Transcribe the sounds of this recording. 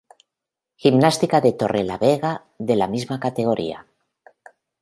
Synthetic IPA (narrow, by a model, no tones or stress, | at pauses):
ximnast̪ikaðet̪orela̰βeɣa | ðelamizmakat̪eɣ̞oɾʔḭa̰